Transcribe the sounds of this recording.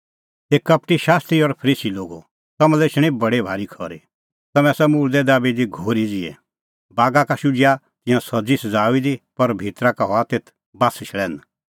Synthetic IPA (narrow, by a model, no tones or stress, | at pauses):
t̪eːkɐpʈiʃaːst̪ɾiɔɾpʰəɾiːsiloːɡo | t̪ɐmɛ̃leːt͡ʃʰɽ̃ibɐɽebʱaːɾikʰɔɾi | t̪ɐmɛ̃sɛmuːɾd̪ɛd̪aːbid̪iɡʱoːɾid͡ziɛ̰ | baːɡakaʃud͡ʒja | t̪ɪ̃jãsɐd͡zisɐd͡zaːuid̪ipɐɾbʱiːt̪ɾakaɦɔat̪eːt̪ʰ | baːst͡ʃʰɭɛːn